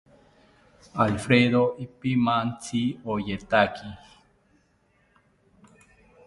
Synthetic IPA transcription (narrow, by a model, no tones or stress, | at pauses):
alfɾeðoipimant͡sʰiojet̪aki